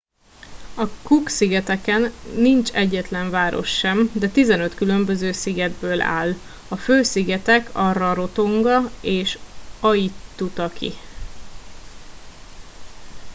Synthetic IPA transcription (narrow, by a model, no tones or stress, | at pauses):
ɒkuksiɡɛt̪ɛkɛnːint͡ʃɛɟːɛt̪lɛɱvaːɾo̞̰ʃːɛmd̪ɛt̪izɛnø̞t̪kylømbø̞zøːsiɡɛd̪̚bøːla̰ːl | ɒføːsiɡɛt̪ɛkʰɒrɒɾo̞t̪o̞ŋɡɒeːʃɒjit̪ːut̪ɒkʰḭ